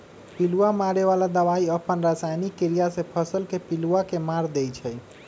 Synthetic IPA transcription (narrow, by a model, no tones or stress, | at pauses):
piluamaɾeʋalad̪əʋaiəpənɾasajnikːeɾijasẽpʰəsəlkepiluakemaɾd̪ejt͡ʃʰɛj